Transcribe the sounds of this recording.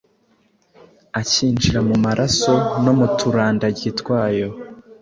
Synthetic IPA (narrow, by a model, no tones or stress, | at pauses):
aciːnd͡ʒiɾamumaɾʔaso̞no̞mutʰuɾaːndaɟitkwaːjo̞